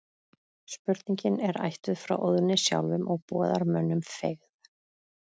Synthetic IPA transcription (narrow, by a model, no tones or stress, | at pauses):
spʏɾt̪niɲcɪnɛɾa̰jht̪ʏðfɾa̰wʔoðnɪsja̰wlvʏmʔɔɣpɔːðaɾmœnːʏmfeɣð